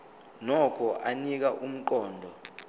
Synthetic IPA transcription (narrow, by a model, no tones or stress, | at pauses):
nɔkʰɔʔanik̬aʔum̩k̬ʼɔːndʱɔ